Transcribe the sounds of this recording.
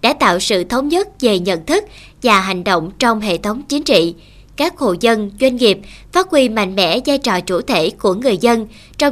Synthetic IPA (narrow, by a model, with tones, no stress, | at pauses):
ɗa̰ː˧˥t̪a̰ː˧˨wsɨ̰˧˨t̪ʰə˨˦wŋ͡mɲə˦˥t̚ve˨˩ɲə̰˧˨nt̪ʰɨ˦˥k̚ | vaː˨˩ɦa˨˩jŋ̟ɗo̰˧˨wŋ͡mt͡ɕɔ˧wŋ͡mɦḛ˧˨t̪ʰə˨˦wŋ͡mt͡ɕi˨˦nt͡ɕḭ˧˨ | kaː˦˥k̚ho̰˧˨zə˧nzwe˧nŋi˨˩əp̚faː˦˥t̚kwi˧ma̰˧˨jŋ̟mɛ̰˧˥zaː˧jt͡ɕɔ̰˨˩t͡ɕu˧˩t̪ʰe˧˩ku˧˩əŋɨ˨˩əjzə˧n | t͡ɕɔ˧wŋ͡m